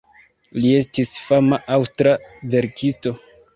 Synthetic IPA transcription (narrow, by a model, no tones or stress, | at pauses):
lie̞stisfamaʔawstɾave̞ɾkʰisto̞